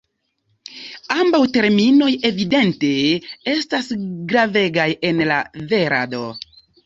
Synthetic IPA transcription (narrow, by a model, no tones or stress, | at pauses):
ambawte̞ɾmino̞je̞vide̞nte̞e̞stasɡɾave̞ɡaje̞nlave̞ɾa̰do̞